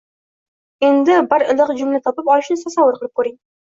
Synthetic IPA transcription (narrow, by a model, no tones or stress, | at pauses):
e̞nd̪ɪbaɾɪlˠɨqd͡ʒʊmlat̪ʰɒpɪpɒlɪʃnɪsasɑwʊɾqəlˠɪp̚kʰʲɵɾɪŋ